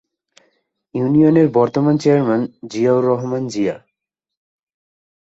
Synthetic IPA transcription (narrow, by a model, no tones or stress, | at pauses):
junioneɾbɔɾt̪omant͡ɕeaɾmand͡ʑiawɾɔɦomand͡ʑia